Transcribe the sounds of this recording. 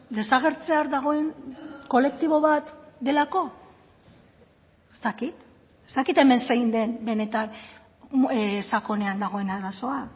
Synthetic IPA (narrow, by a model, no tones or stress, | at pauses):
d̪e̞saɣ̞e̞ɾt͡se̞aɾðaɣ̞o̞e̞nko̞le̞k̚t̪iβo̞βat̪d̪e̞lako̞ | est̪akit̪ | ezt̪akit̪e̞me̞nsejnd̪e̞nbe̞ne̞t̪an | sako̞ne̞and̪aɣ̞o̞e̞naɾaso̞a